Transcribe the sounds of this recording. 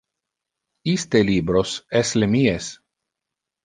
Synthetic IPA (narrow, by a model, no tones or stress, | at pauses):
ist̪elibɾoseslemies